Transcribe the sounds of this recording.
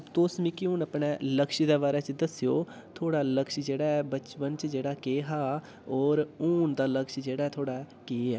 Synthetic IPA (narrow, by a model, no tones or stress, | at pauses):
əbt̪oːsmĩːkɪʊnəpɳɛːləkʃiːd̪eːbaːɾɛːt͡ʃd̪əsijoː | t̪ʰoːɽaːləkʃd͡ʒeːɽaːɛːbət͡ʃpənt͡ʃəd͡ʒeːɽaːkeːɦaː | ɔːɾuːnd̪aːləkʃd͡ʒeːɽaːɛːt̪ʰoːɽaː | keːɛː